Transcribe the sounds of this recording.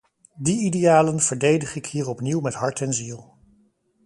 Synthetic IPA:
diidejaːlənv̥əɹdejdəχɪkɦiːɹɔpniwmɛtɦɑɹtɛnzilˠ

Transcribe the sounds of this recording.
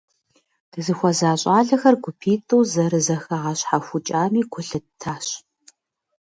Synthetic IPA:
d̥ɨzɨxʷɔzaːɕʼaːɮɐxɐrɡʷʊpʰiːtʼɨwzɐɾɨzɐxɐʁɐɕħaxʷʊt͡ʃʼaːmiːɡʷʰʊɬɨtʰaːɕ

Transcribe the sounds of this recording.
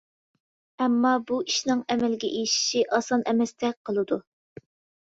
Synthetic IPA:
ɛmːɑbuiʃnɨŋɛmɛlɪɡʲɛ̰ʔejʃi̥ʃiʔɑsɑnʔɛmɛst̪ʰɛqʰəlˠɨd̪u

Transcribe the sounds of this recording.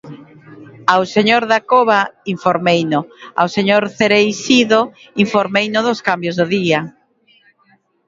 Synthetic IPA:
awseɲoɾðakoβaiɱfoɾmejnʊa̰wseɲoɾθeɾejsiðo | iɱfoɾmejnʊðʊskambjozðʊðia

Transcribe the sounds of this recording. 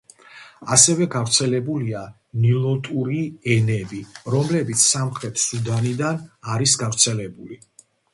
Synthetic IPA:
asɛvɛɡavɾt̪sʰɛlɛbulia | nilˠɔt̪ʼuɾiɛnɛbiɾɔmlɛbit̪sʰsamχɾɛt̪ʰsud̪anid̪anaɾisɡavɾt̪sʰɛlɛbuli

